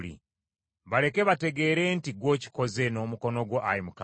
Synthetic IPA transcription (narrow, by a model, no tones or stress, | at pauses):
lḭ | βale̞ke̞βate̞ɡe̞ːɾe̞ːntiɡwo̞ːci̥ko̞ze̞no̞muko̞no̞ɡwoʔaimuka